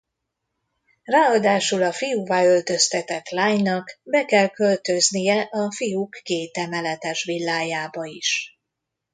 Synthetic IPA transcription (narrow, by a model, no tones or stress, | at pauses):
raːɒd̪aːʃulɒfijuvaːø̞lt̪ø̞st̪ɛt̪ɛt̪laːɲnɒkbɛkɛlkø̞lt̪ø̞znijɛʔɒfijukːeːt̪ɛmɛlɛt̪ɛʃʋilːaːjaːbɒiʃ